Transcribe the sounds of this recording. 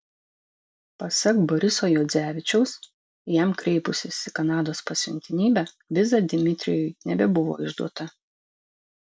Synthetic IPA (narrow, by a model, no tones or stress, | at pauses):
pɐsɐkbɔɾʲɪsoːjɔːd̪zʲæːʋʲɪt͡ʃʲɛʊs | jæmkɾʲɛɪpʊsʲɪsɪkɐnɑːd̪oːspɐsʲɪ̰nʲt̪ʲɪnʲiːbʲæ | ʋʲɪzɑd̪ʲɪmʲɪt̪ʲɾʲɪ̰jɔjnʲɛbʲɛbʊʋo̰ːɪʒd̪uɔt̪ɐ